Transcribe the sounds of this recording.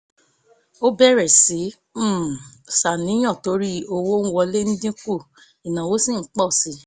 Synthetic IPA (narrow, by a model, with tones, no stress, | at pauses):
o˦bɛ˦ɾɛ˨si˨˦ | sa˨nĩ˨˦j̃ɔ̃˦˨to˨˦ɾi˦o˧wo˦n̩˦wɔ˧le˦ñ̩˦dĩ˦ku˦˨ | i˨nã˨wo˨˦sĩ˦˨n̩˦k͡pɔ˦˨si˨˦